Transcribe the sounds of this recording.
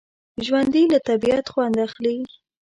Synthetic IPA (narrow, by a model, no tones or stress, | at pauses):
ʒwand̪ilat̪abiat̪xwand̪axli